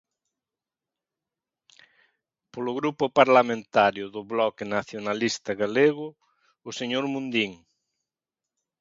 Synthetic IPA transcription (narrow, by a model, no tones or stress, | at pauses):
polʊɣɾupʊpaɾlamẽnt̪aɾjʊðʊβlɔkɪnaθjonalist̪ɐɣaleɣʊː | seɲoɾmũnd̪iŋ